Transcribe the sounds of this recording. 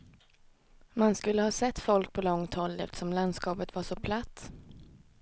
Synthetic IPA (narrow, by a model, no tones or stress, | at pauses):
manskɵlːəhɑːsɛt̪ːfɔlk̚pʰɔlɔŋt̪hɔlːɛft̪ə̥ʂɔmland̪skɑːpət̪vaʂɔpʰlat̪ː